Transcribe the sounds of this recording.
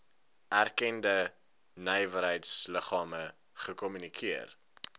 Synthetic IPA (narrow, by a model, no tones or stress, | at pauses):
ærkɛndə | nɛjvəɾɦəjtsləχɑːmə | χəkɔmynikʰiər